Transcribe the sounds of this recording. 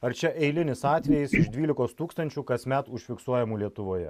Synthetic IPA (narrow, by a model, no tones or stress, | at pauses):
ɐɾt͡ʃʲɛʔɛɪlʲɪnʲɪsɑːt̪ʲʋʲɛjɪsɪʃd̪ʲʋʲiːlʲɪkoːst̪uːkst̪ɐnʲt͡ʃʲuːkɐsmʲæt̪ʊʃʲfʲɪksuɔjɛmuːlʲiɛt̪ʊʋoːjɛ̰